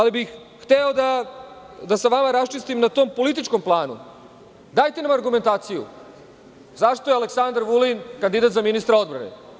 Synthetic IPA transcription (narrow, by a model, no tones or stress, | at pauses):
alibixː | t̪eod̪a | d̪asaʋamaɾast͡ʃist̪imnat̪o̞mpo̞lit̪̬it͡ʃko̞mplˠaːnṵ | d̪aːjt̪e̞namaɾɡume̞nt̪aːt̪sijṵ | zaʂt̪o̞jealeksand̪aɾʋulinkand̪id̪at̪zaminist̪ɾao̞d̪bɾa̰nḛ